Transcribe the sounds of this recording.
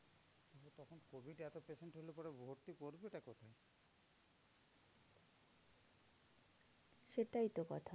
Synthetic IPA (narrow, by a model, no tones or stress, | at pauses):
t̪oɦot̪ɔkʰonkobʱiɖɛt̪opeʃeɳʈɦolopɔɾebʱoɾt̪ipoɾbeʈakɔt̪ʰae | ʃeʈajt̪okɔ̰t̪ʰa